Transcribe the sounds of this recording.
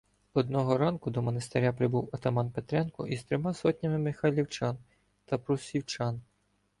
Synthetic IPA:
ɔd̪nɔɦɔɾɑnkʊd̪ɔmɔnest̪eɾʲapɾɪbuwɐt̪ɐmɑnpet̪ɾɛnkʊʔist̪ɾɔmɑsɔt̪ʲnʲɐmɪmɪxɐlʲiwt͡ʃɑn | t̪ɐpɾusʲiwt͡ʃɑn

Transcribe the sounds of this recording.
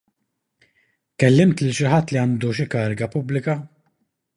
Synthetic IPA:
kɛlːɪmt̪lɪlʃɪħɐt̪ːliɐnd̪uʃ̬ɪkɐːɾɪɡɐpʊblɪkɐ

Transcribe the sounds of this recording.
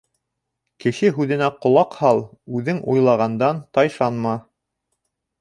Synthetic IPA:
kɘ̆ʃɘɦʉðɘ̆næqŏlˠɑqhɑlˠʉðɘŋʔujlˠɑʁɑnd̪ɑnt̪ɑjʃɑnmɑ

